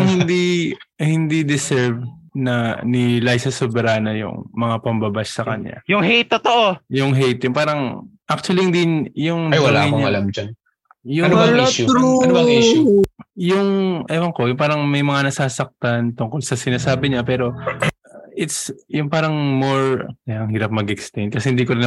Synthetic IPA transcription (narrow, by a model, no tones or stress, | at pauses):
ŋhɪnd̪ihɪnd̪id̪ɪsɛɹvnɐnilajsɐsobɛɾaːnɐjʊ̰ŋmɐŋapɐmbɐbassɐkɐɲa̰jʊŋɦejt̪ːot̪oʔojʊŋɦejt̪jʊŋpaːɾɐŋʔak̚t͡ʃʊwɐlihɪnd̪ijʊŋajwɐlaːɐjoɲʔɐ̰lamd͡ʒan | jʊɐnobɐiʃuuɐnobɐʔiʃujʊŋʔɐmɐŋkojʊŋpaːɾɐŋmɐjmɐŋanɐsaːsɐk̚t̪ant̪ʊŋkolsɐsɪnaːsaːbɪɲapɛːɾo̞ | ʔɪt̪sjʊŋpaːɾɐŋmoɹkɐjaɐŋhiːɾɐp̚mɐɡɛkst̪ɛjnd̪̚kɐsɛhɪnd̪iːkoɾɪn